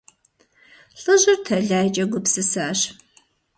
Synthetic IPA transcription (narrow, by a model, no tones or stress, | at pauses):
ɬʼɨʑɪrtʰɐɮaːjt͡ʃʼɐɡʷʊpsɨsaːɕ